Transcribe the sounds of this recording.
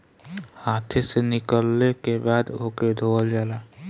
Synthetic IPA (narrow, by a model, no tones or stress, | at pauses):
haːt̪ʰesenɪkəlnekebaːd̪oːked̪ʱoːld͡ʒaːlaː